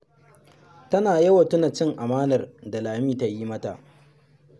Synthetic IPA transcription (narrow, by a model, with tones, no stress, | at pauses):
tɐ˦naː˨jɐ˦wɐ˨tʊ˦na˨t͡ʃɪ˦ŋʔa˨maː˦nɐ˨rda˨laː˨miː˦ta˨ji˦mɐ˦ta̰˨ʔ